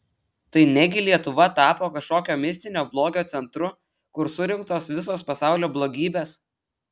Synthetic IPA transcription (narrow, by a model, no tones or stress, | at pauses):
t̪ɐɪnʲɛɡʲɪlʲiɛt̪ʊʋɐt̪ɑːpoːkɐʃkoːkʲoːmʲɪsʲt̪ʲɪnʲoːblˠoːɡʲoːt̪sʲɛnt̪ɾʊ | kʊɾsʊɾʲɪŋk̚t̪oːsʋʲɪs̬oːspɐsɑˑʊlʲoːblˠoːɡʲiːbʲeːs